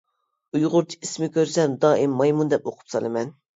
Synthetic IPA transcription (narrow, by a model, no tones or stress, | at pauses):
ujʁʊɾt͡ʃʰi̥kʲismɪkʲøɾsɛnd̪ɑːʔimːɑjmund̪ɛp̚oqʰʊ̥psɑlˠɨmɛn